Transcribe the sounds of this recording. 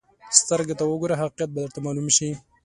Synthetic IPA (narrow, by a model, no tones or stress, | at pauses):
st̪əɾɡat̪awəɡoɾaɦaqqjat̪̚bad̪əɾt̪amɑlumʃi